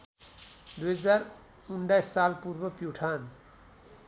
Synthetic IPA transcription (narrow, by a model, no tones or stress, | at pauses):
d̪uɦʌd͡zaɾ | unɖajsːalpuɾbʌpjuʈʰaːn